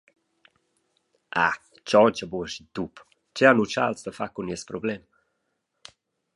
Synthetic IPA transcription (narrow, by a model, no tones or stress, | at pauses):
ʔa̰ | t͡ʃɔcəbuəʃid̪up | t͡ʃɛanut͡ʃa̰lsd̪əfakuniəspɾɔblɛm